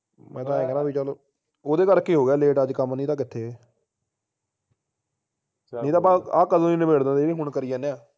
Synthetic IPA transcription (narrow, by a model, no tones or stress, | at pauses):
mɛ̃ːt̪ãːɛ̃ːɡnaːbiːt͡ʃəloː | oːd̪eːkəɾkiːɦoːɡaːleːʈəd͡ʒkəmnĩːt̪ãːkɪt̪ʰːeː | nĩːt̪ãːpaaːkəd̪õːiːnəbeːɽd̪ãːd̪eːeːɦʊɳkəɾɪjãːnẽːaː